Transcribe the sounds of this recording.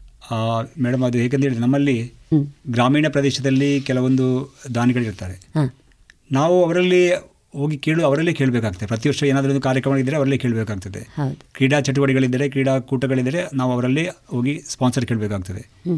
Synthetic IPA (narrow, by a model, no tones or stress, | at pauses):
mɛːɽɐmɐd̪uɦeːɡent̪eɭd̪enɐmːɐlːi | ɡɾaːmiːɳɐpɾɐd̪eːʃɐd̪ɐlːikɛlɐʋo̞nd̪ud̪aːniɡɐɭiɾt̪aːɾe̞ | naːʋuɐʋɐɾɐlːi | ɦo̞ːɡikeːɭuɐʋɐɾɐlːike̞ːɭbeːkaːɡ̚t̪ɐepɾɐt̪̬iʋɐɾʂɐeːnaːd̪ɐond̪ukaːɾjɐkɾɐmɐɐid̪ːɐɾeɐʋɐɾɐlːikeːɭbeːkaːɡ̚ut̪ɐd̪ehɐd̪kɾiːɽaːt͡ʃɐʈ̬uʋɐɽiɡɐɭid̪ːɐɾekɾiːɽaːkuːʈɐɡɐɭid̪ːɐɾe̞naːʋuɐʋɐɾɐlːiɦo̞ːɡispaːnsɐɾkeːɭbeːkaːɡ̚ut̪ɐd̪e